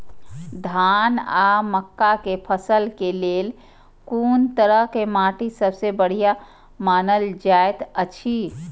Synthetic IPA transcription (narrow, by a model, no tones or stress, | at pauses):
d̪ʱanaməkːakepʰəsəlkelel | kunt̪əɾəɦkemaʈisəbsebəɽ̤ija | manəld͡ʒaet̪ət͡ʃʰi